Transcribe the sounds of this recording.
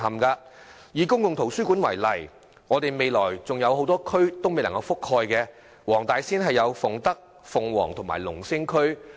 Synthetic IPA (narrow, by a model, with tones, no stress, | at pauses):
ɐ˨mkaː˧ | jiː˨˧kʊ˥ŋkʊ˨ŋt̪ʰo˨˩wsyː˥kuː˨˥nwɐ̰˨˩jlɐ˨˩j | ŋɔː˨˧t̪e˨jme˨˧jlɔː˨˩jt͡sʊ˨ŋjɐ˨˧whɦo˨˥wt̪ɔː˥kʰɵ˥ɥt̪o˥wme˨jlɐ˨˩ŋkɐ˧wfʊ˥khɔː˧jkɛː˧ | wɔː˨˩ŋt̪aː˨˧jsiː˥nɦɐ˨jːɐ˨˧wfʊ˨ŋt̪ɐ˥k̚ | fʊ˨ŋwɔ̰ː˨˩ŋt̪ʰʊ˨˩ma̰ː˨˩jlʊ˨˩ŋsɪ˥ŋkʰɵ˥ɥ